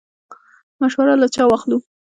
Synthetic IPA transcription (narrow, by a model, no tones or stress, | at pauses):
maʃwaɾalat͡ʃɑwɑxlu